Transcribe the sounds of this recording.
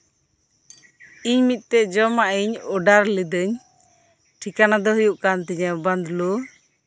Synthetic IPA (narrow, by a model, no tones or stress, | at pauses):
iɲmit̪̚ˀt̪ɛd͡ʒɔmaʔiɲɔɖaɾlid̪əɲ | ʈʰikanad̪ɔɦujuʔkant̪ɛɲaband̪lu